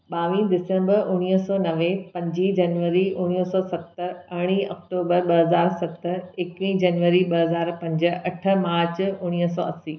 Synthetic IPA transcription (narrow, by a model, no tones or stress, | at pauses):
ɓaːʋĩːd̪ɪsə̃mbəʊɽ̃iəsɔːnɐʋepɐ̃ɲd͡ʑid͡ʑɐnʋəɾiʔʊɽ̃isɔːsɐt̪əɾɐɽ̃iːʔɐ̰k̚ʈoːbəɾɓɐɦɐzaːɾsɐt̪ə̆ekʋĩd͡ʑɐnʋəɾiɓɐɦɐzaːɾpɐ̃ɲd͡ʑə̆ɐʈʰə̆maːɾt͡ɕʊɽ̃iəsɔ̰ːɐsiː